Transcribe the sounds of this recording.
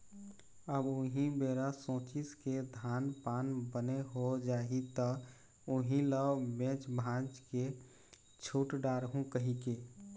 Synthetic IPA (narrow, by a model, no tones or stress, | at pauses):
əbʊɦĩbeːɾasõːt͡ʃɪsked̪ʱaːnpaːnbəneɦod͡ʒaːɦit̪ə | ʊɦĩləbẽːt͡ʃbʱãːd͡ʒke | t͡ʃʰuːʈɖaːɾɦũkəɦike